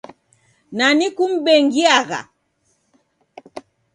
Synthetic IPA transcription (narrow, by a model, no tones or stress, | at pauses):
nanikum̩ɓɛŋɡiaɣa̰